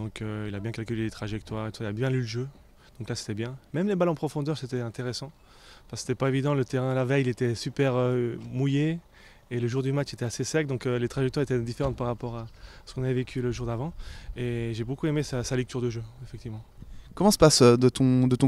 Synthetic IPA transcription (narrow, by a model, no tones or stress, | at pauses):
d̪ɔ̃kʰøilabjɛ̃kalkʲylelet̪χaʒɛk̚t̪waʁet̪u̥sailabjɛ̃lyləʒø | d̪̥ɔ̃klase̥t̪ɛbjɛ̃mɛmlebalɑ̃pχɔfɔ̃d̪œʁset̪ɛɛ̃t̪eʁesɑ̃ | fase̥t̪ɛpaevid̪ɑ̃lət̪eʁɛ̃lavɛjilet̪ɛsypɛʁømujeː | ləʒuʁd̪ymat͡ʃet̪ɛasesɛk̚d̪ɔ̃kølet̪χaʒɛkt̪waʁet̪ɛd̪ifeʁɑ̃t̪̚paʁːapɔʁasə̥kɔ̃navɛvekʲʰyləʒuʁd̪avɑ̃eʒebokuemesasalɛk̚t̪yʁd̪əʒøefɛk̚t̪ivmɑ̃kɔmɑ̃sə̥pasød̪ət̪ɔ̃d̪ət̪ɔ̃